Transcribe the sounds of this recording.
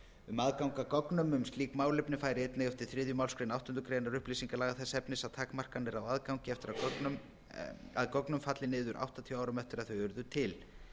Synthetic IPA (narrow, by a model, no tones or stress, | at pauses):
ʏmaðkawŋkakɔknʏmʏmst̪liːkmaːwlɪpnɪfaːjɾɪɛjt̪nɛɣɛft̪ɪɾ̥θɾɪːðjʏmaːwlskɾɪnawht̪ʏnt̪ʏkʰɾejnaɾʏhpliːsiŋkalaːɣaθɛsːɛpnɪsaðt̪ʰaːkmar̥kanːɪɾawaðkawŋcɪɛft̪ɪɾam | a̰ðkɔknʏmfat̪lɪnɪːðʏɾʔa̰wht̪at̪ʰiawawɾʏmɛft̪ɪɾaðθœjʏɾðʏt̪ʰɪl